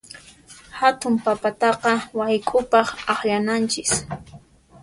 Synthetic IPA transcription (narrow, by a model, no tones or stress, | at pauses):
hat̪ʊmpapat̪ɑqɑwajkʼʊpɑχɑχʎanant͡ʃɪs